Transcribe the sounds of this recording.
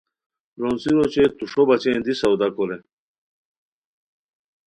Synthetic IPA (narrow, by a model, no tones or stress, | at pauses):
ɾonsiɾot͡ɕet̪uʂobɐt͡ɕẽnd̪isɐwd̪akole